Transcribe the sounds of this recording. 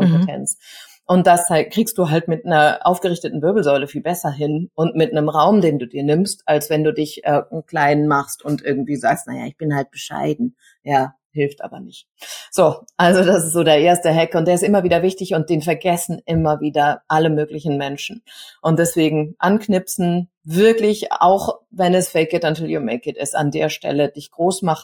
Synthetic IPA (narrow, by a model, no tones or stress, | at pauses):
kʰɔmmpetʰɛ̰nt͡s | ʔʊnt̚d̥ashakʁ̥iːkstd̥uːɦaltmɪtnɐʔa̰ʊfɡ̥əʁɪçtətn̩vɪɐbl̩zɔʏləfiːlbɛsɐɦɪnʔʊntmɪtnəmʁaʊmdeːnduːdiːɐnɪmstalsv̥ɛnduːdɪçʔɛːkl̥aɪnmaχstʊntʔɪɐɡŋ̩tv̥iːzaːkstna̰ja̰ːɪçb̥ɪnhalt̚b̥əʃa̰ɪdn̩ | jaː | hɪlftʔa̰ːbɐ̰nɪçt | z̥oːʔalzodasɪstz̥oːdeːɐʔeːɐstəɦɛkʊnt̚d̥eːɐɪstʔɪmɐviːdɐvɪçtɪçʊnt̚d̥eːnfɛɐɡɛsn̩ʔɪmɐviːdɐʔaləmøːklɪçn̩mɛnʃn̩ʔʊntd̥ɛsv̥eːɡŋ̩ʔanknɪpsn̩ | vɪɐklɪça̰ʊxvɛnɛsfɛɪk̚ɡɪtatɪljumɛɪk̚ɪtɪ̰sta̰ndḛːɐʃtɛ̰ləd̥ɪçɡ̥ʁoːsmaχ